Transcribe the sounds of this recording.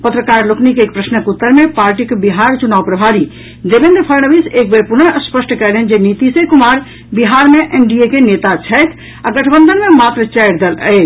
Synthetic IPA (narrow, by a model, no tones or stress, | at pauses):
pət̪ɾəkaɾluknikeeːk̚pɾəsnəkut̪ːəɾmepaɾʈikebiɦaɾt͡ʃunaʋpɾəbʱaɾi | d̪ebẽnd̪ɾəpʰəɾnəbisek̚beɾpunəʔəspəsʈkɛleɦnd͡ʒenit̪isẽkumaɾ | biɦaɾmeʔenɖiekenet̪at͡ʃʰəjt̪ʰ | aɡəʈʰbənd̪ənmemat̪ɾət͡ʃɛɪɾd̪elə̰ɪt͡ʃ